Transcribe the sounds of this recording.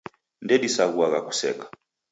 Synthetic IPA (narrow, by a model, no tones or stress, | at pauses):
ndɛɗisaɣuaɣaku̥sɛ̰kḁ